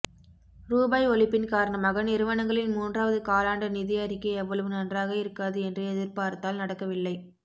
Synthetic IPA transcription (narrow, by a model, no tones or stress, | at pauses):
ɾuːbɐɪɔɭɪpːɪnkaːɾɐɳɐmaːɣɐnɪɾɯʋɐɳɐŋɡɐɭɪnmuːndraːʋɐðɯkaːlaːɳɖɐnɪðɪjaɾɪkːɯɛʋːɐɭɐʋɯnɐndraːɣɐɪɾɯkːaːðɯɛndrɯɛðɪɾpaːɾt̪ːaːlnɐɽɐkːɐʋɪlːɐɪ